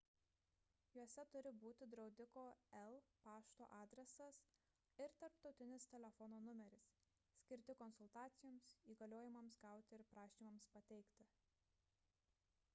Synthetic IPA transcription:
juɔsʲɛt̪ʊɾʲɪbuːt̪ʲɪd̪ɾɒʊd̪ʲɪkoːɛlˠpɑːʃt̪o̰ːʔɑːd̪ʲɾʲɛsɐs | ɪɾt̪ɐɾpt̪ɒʊt̪ʲɪnʲɪst̪ʲɛlʲɛfɔnoːnʊmʲɛɾʲɪs | sʲkʲɪɾʲt̪ʲɪkɔnsʊlˠt̪ɑːt̪sʲɪjoːmsiːɡɐlʲoːjɪmɐmsɡɑˑʊt̪ʲɪɪɾpɾɑːʃʲiːmɐmspɐt̪ʲɛɪkt̪ʲɪ

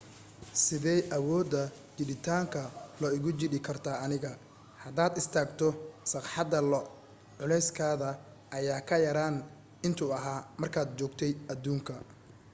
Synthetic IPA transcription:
sɪðɛjʔɐwɔːd̪ɐ | t͡ʃɪɗɪt̪ʰaːŋkʰɐlɔɪɣʊt͡ʃɪdɪkʰɐrt̪ʰaːɐnɪɣɐ | hɐd̪aːd̪ɪst̪ʰaːɡt̪ʰɔsɑqħɑd̪ɐlɔ | ʕʊlɛjskʰaːðɐ | ʔɐjaːkʰɐjɐɾaːn | ɪnt̪ʰʊɐɦaːmɐrkʰaːd̪t͡ʃɔːɡt̪ʰɛjɐd̪uːŋkʰɐ

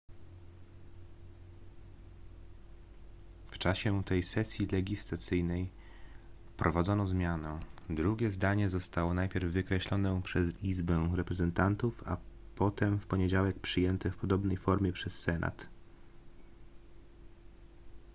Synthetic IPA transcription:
ft͡ʂaɕɛt̪ɛjsɛsʲjilɛɡʲislat̪sɘjnɛj | fpɾʔɔvad̪zɔnɔzmʲjanɛd̪ɾuɡʲɛzd̪aɲɛzɔst̪awɔnajpʲjɛɾvːɘkɾɛɕlɔnɛpʂɛzizbɛɾɛpɾɛzɛnt̪ant̪ufa̰pɔt̪ɛmfpɔɲed͡ʑawɛk̚pʂɘjɛnt̪ɛfpɔd̪ɔbnɛjfɔɾmʲjɛpʂɛsːɛnʔa̰t̪

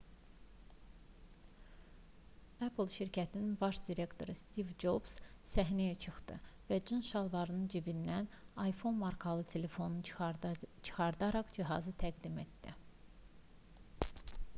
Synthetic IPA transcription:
æpʰlˠʃiɾcʰæt̪ʰininbɑʃd̪iɾe̞kt̪ʰo̞ɾɯst̪ivd͡ʒo̞bssæɦnæjæt͡ʃʰɯxt̪ɯ̰væd͡ʒɯnʃɑlˠvɑɾɯnɯnd͡ʒibind̪ænɑjfo̞nmɑɾkʰɑlˠɯt̪ʰe̞le̞fo̞nu | t͡ʃʰɯ̥χɑɾd̪ɑɾɑχd͡ʒiɦɑ̰zɯt̪ʰæɡd̪ime̞t̪d̪̥ḭ

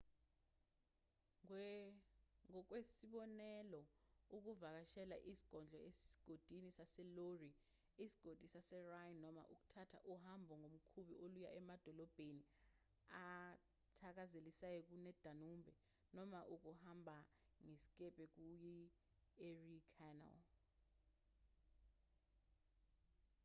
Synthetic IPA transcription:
ŋɔk̬wesiɓɔnɛlɔuk̬uvak̬aʃɛlaʔisi̥ɡ̥ʱɔnd͡ɮʱɔesi̥ɡ̥ʱod̥ʱinisasɛlori | isi̥ɡ̥ʱod̥ʱisasɛrajnɔma̰ʔuk̬u̥tʰatʰa̰ʔuhambʱɔŋom̩kʰuɓioluja̰ɛmad̥ʱɔlɔb̥ʱeni | a | tʰak̬azelisajɔk̬unɛd̥ʱanumbʱɛ | nɔmaʔuk̬uhambʱa | ŋesi̥k̬ʼɛb̥ʱʼɛk̬uji | erikʰanɛ̰l

